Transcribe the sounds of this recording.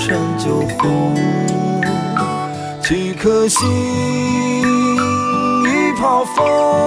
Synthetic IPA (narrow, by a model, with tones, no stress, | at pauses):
ʂə˥nt͡ɕjo˨˩ʊfo˧ | t͡ɕʰi˧˩kʰə˥ɕi˦˥ | i˦pʰɑ˨˩ʊfɔ˦